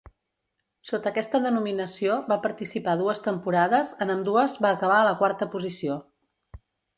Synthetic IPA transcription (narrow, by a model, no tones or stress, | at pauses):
sot̪əːkɛst̪əðənuminəsioβapəɾt̪isipaðuəst̪əmpuɾaðəzənənd̪uəzβaəkəβ̞aələkwaɾt̪əpuzisio